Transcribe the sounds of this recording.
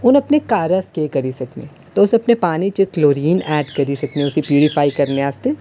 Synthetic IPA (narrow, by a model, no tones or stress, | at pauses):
ʊnɐpnekaːɾəskeːkɐɾisɐknḛ̃ː | t̪oʊsɐpnepaːnit͡ʃekloːɾiːnɛːɖkɐɾisɐk̚nẽʊsipjuːɾɪfaːikɐɾneaːst̪eː